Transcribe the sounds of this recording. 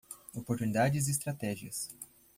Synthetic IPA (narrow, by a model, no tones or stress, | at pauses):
opoɾt̪unid̪ad͡ʒɪziɪs̬t̪ɾat̪ɛʒiɐs